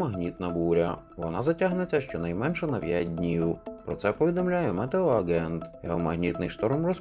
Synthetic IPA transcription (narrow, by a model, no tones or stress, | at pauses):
mɐɦnʲit̪nɐbuɾʲɐʋɔnazɐtʲaɦnɪt͡s̪ʲɐʃt͡ʃɔnɐjmɛnʃɛnɐʋʲjadʲnʲijupɾɔt̪sɛpɐʋʲɪd̪ɐmlʲajʊmɛt̪ɛɔɐɡɛnt̪jɐɦɔmɐɣnʲit̪nɨjʂt̪ormɾɔs